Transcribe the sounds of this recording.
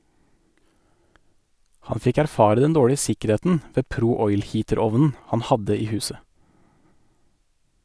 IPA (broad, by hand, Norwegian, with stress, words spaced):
ˈhɑn ˈfɪk æɾˈfɑːɾə ˈdɛn ˈdoːɽɪə ˈsɪkəˌɾeːtn̩ ˈʋeː ˈpɾuː ˈɔʏl ˈhiːtəˌɾɔʋnn̩ ˈhɑn ˈhɑdə ˈiː ˈhʉːsə